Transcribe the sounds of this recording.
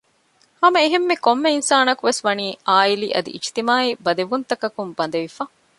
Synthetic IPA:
hɐmɐeɦemːekomːeinsaːnɐkuʋesʋɐniːaːiliʔɐ̰d̪ḭʔit͡ʃi̥t̪imaːibɐd̪eʋunt̪ɐkɐkumbɐnd̪ɐʋifaː

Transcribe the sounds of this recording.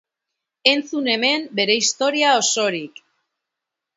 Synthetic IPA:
e̞nt͡sune̞me̞mbe̞ɾe̞ist̪o̞ɾiao̞so̞ɾik

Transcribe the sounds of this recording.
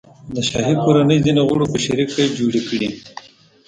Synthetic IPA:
d̪əʃɑɦikoɾanəjzineɣʊɽopəʃaɾikːajd͡ʒoɽikɽi

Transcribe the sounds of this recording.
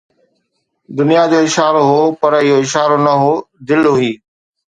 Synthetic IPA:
d̪ʊnijad͡ʑoːɪʃaːɾoɦoːpɐɾɪɦoɪʃaːɾonɐɦoːd̪ɪlɦʊɦiː

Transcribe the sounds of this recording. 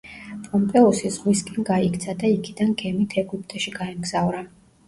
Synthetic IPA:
pʼɔmpʼɛɔsizʁwiskʼɛnɡaikt̪sʰad̪aikʰid̪anɡɛmit̪ʰɛɡup̚ʰʼt̪ʼɔʃiɡaɛmɡz̥avɾa

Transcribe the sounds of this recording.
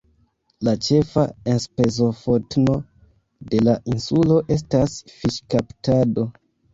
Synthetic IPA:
lat͡ʃe̞faenspe̞zo̞fotno̞ | de̞laʔinsulo̞ʔe̞s̬tasfiʃkaptado̞

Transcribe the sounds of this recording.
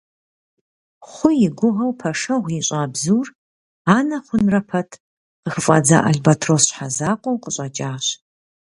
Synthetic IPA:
χʷʊjɪɡʷʊʁɐwpʰɐʂɐʁʷiɕʼaːbzuːr | aːnɐχʷʊnrɐpʰɐtʰ | qəxəfʼɐ̰d͡za̰ːʔɐ̰ɮbatʰrosħazaːqʷʼɔwqəɕʼɐt͡ʃʼaːɕ

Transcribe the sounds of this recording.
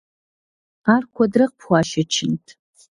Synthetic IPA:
arkʷʰadrɨq̚pʰχʷaʃat͡ʃʰɪntʼʰ

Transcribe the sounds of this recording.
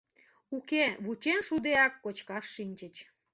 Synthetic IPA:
ukeβut͡ɕenʃud̪eɑkːot͡ɕkɑʃːinʲt͡ɕət͡ɕ

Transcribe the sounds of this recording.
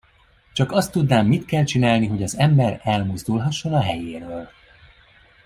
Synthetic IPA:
t͡ʃɒkɒst̪ːud̪naːmːit̪kɛlt͡ʃinaːlniɦo̞ɟɒzɛmbɛɾɛlmuzd̪ulɦɒʃːo̞nɒɦɛjeːɾøːl

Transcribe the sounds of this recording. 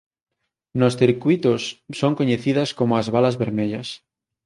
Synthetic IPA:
nosθiɾkwit̪osːoŋkoɲeθiðaskomoazβalazβeɾmeʎas

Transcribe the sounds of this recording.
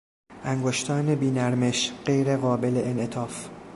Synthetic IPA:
ʔæŋɡoʃt̪ʰɒːne̞biːnæɾme̞ʃɢejɾeɣɒːbe̞leʔenʔet̪ʰɒːf

